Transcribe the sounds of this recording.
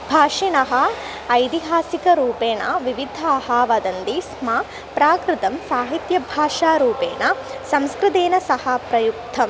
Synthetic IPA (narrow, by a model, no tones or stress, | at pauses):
bʱaːʂinɐɦɐː | jt̪iɦaːsikɐɾuːpeːɳɐʋiʋid̪ʱɐːɦaːʋɐd̪ɐnd̪ismaː | pɾaːkɾɪt̪ɐmsaːɦit̪jɐbʱaːʂaːɾuːpeːɳɐsɐ̃mskɾɨt̪eːnɐsɐhɐpɾɐjuk̚t̪ʰɐm